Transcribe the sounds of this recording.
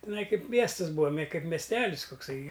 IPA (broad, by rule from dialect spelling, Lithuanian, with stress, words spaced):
tʲɪˈnɐɪ ˈkɐɪp ˈmʲiɛstɨs ˈbuːɐ mʲɛ ˈkɐɪp mʲɛsʲˈtʲæːlʲɪs kʊkˈsɐɪ